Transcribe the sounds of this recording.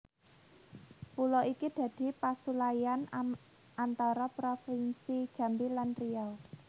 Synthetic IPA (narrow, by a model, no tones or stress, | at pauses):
pulɔʔikid̪̥ä̤d̪̥i̤pasulajan | ant̪ɔɾɔpɾɔfinsid̥ʒ̥ä̤mbilanriɔ